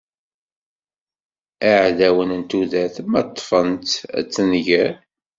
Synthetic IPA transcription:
aʕðæwənənt̪uðæθmæt̪ˤːfənt̪æ̰t͡sːənʝæ

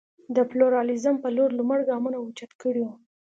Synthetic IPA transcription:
d̪əpluɾɑlizəmpəloɾluməɽɡɑmunaut͡ʃat̪kəɽiu

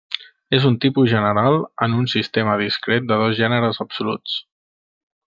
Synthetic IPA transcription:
ezunt̪ipuzʒənəɾalˠənunsist̪eməðiskɾet̪̚d̪əðɔzʒɛnəɾəzəbsulṵt͡s

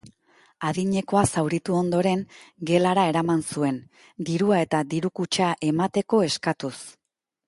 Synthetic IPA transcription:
aðiɲe̞ko̞asawɾit̪uo̞nd̪o̞ɾe̞ŋɡe̞laɾae̞ɾamansue̞n | d̪iɾuae̞t̪ad̪iɾukut͡ʃaʔe̞mat̪e̞ko̞e̞skat̪us

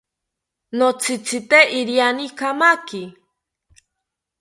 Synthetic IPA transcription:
not͡sʰit͡sʰit̪eʔiɾjanikʰamaki

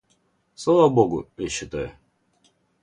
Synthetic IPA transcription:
slˠavəboɡʊ̰jaɕːɪt̪ajʊ

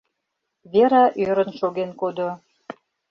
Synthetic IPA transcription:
βeɾɑʔøɾə̆nʃoɣenkod̪o

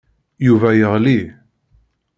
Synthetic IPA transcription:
juvæjəʁli

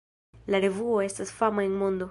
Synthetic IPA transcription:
laɾe̞vuo̞e̞stasfamaenmo̞nd̪o̞

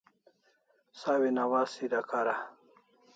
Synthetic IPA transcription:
sawinawaːsidakaɾa

